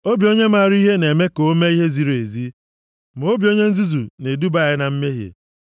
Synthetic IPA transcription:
o˦bi˨o˦ɲe˦ma˦˨ɾi˦ɦe˦ne˨me˦ko˨o˦me˦i˦ɦe˦zi˦ɾe˨zi˦ | m˨o˦bi˨o˦ɲe˦n̩˦zu˦zu˨ne˨du˦ba˦˨ɪ˦na˨m̩˦me˦ɦḛ˨

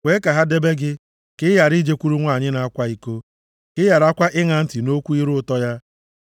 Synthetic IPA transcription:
wʷe˦ka˨ɦa˦de˦be˦ɡɪ˦ | kɪ˦ja˨ɾi˦d͡ʒe˦kʷu˦ɾu˦ŋʷa˦˨ɲɪ˦na˨a˦kʷa˦i˨ko˦ | kɪ˦ja˨ɾa˦kʷa˦ʔɪ˦ŋa˨n̩˦tɪ˨no˦kʷu˦i˦ɾʊ˦ʊ˦tɔ˦ja˦

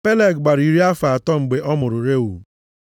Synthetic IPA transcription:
pe˦le˨ɡɡ͡ba˨ɾi˨ɾi˦a˦fa˨tɔ˦m̩˨ɡ͡be˨ʔɔ˦mʊ˨ɾʊ˨ɾe˦ṵ˨

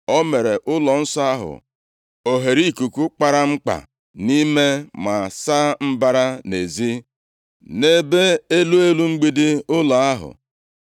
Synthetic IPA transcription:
ɔ˦me˨ɾe˨ʔʊ˦lɔ˨n̩˦sɔ˦a˦ɦʊ̰˨ | o˨ɦe˨ɾi˦˨ku˨ku˦k͡pa˦ɾa˦ŋ͡m̩˦k͡pa̰˨ | ni˦me˦ma˨sa˦m̩˦ba˦ɾa˦ne˨zi˦ | ne˦be˦e˦lu˦e˦lu˦ŋ͡m̩˦ɡ͡bi˦dɪ˦ʊ˦la˨a˦ɦʊ̰˨

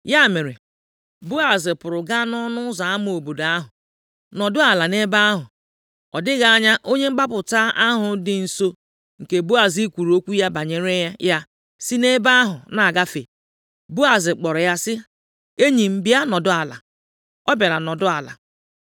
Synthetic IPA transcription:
ja˦˨me˨ɾe˨ | bu˦a˨zɪ˨pʊ˨ɾʊ˨ɡa˦nɔ˦nʊ˦za˨a˦m˦o˨bo˨da˦ɦʊ˨ | nɔ˨dʊ˦a˨la˨ne˦ba˦a˦ɦʊ˨ | ɔ˨dɪ˦ɣa˨a˦ɲa˦ʔo˦ɲe˦ŋ͡m̩˦ɡ͡ba˦pʊ˨ta˦ʔa˦ɦʊ˨dɪ˨n̩˨so˦ | ŋ̩˨ke˨bu˦a˨zi˦kʷu˨ɾo˦kʷu˦ja˦ba˨ɲe˨ɾe˦ja˦ja˦ | sɪ˦ne˦ba˦a˦ɦʊ˨na˨a˨ɡa˦fe˨ | bu˦a˨zɪ˨k͡pɔ˨ɾɔ˨ja˦sɪ˦ | e˦ɲi˨m̩˦bɪ˦a˦nɔ˨dʊ˦a˨la̰˨ | ɔ˦ba˨ɾa˨nɔ˨dʊ˦a˨la̰˨

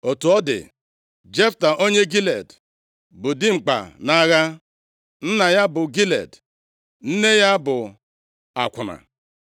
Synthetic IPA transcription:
o˨tu˨ɔ˦dɪ̰˨ | d͡ʒe˦fta˨ʔo˦ɲe˦ɡi˦le˨d | bʊ˨dɪ˦ŋ͡m̩˨k͡pa̰˨na˦ɣa˦ | n̩˦na˨ja˦bʊ˨ɡi˦lḛ˨d | n̩˦ne˦ja˦bʊ˨ | a̰˨kʷʊ˨na̰˨

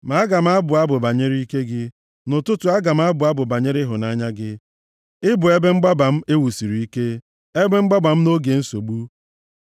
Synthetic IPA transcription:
ma˨˦a˦ɡa˨m̩˦a˦bʊ˨a˦bʊ˨ba˨ɲe˦ɾi˦ke˦ɡɪ˦ | nʊ˨tʊ˦tʊ˨a˦ɡa˨m̩˦a˦bʊ˨a˦bʊ˨ba˨ɲe˦ɾɪ˦ɦʊ˨na˦ɲa˦ɡɪ˦ | ɪ˦bʊ˨e˦be˦ŋ͡m̩˦ɡ͡ba˦ba˨m̩˦e˦wu˨si˨ɾi˨i˦ke˦ | e˦be˦ŋ͡m̩˦ɡ͡ba˦ba˨m̩˦no˦ɡe˨˦n̩˦so˨ɡ͡bu˦

